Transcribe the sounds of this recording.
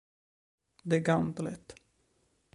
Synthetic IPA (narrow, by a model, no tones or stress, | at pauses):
d̪ɛæɡand̪lɛ̰t̪ː